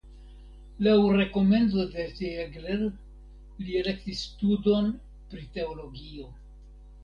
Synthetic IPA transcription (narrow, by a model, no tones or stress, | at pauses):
lawɾe̞ko̞me̞nt͡so̞de̞teɡɾeɾ | liele̞ktisːtudo̞n | pɾite̞olo̞ɡio̞